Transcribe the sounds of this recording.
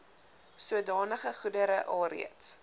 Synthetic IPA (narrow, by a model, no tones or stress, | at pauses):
suədɑːnəχəχudəɾəʔɐlˠrḭəts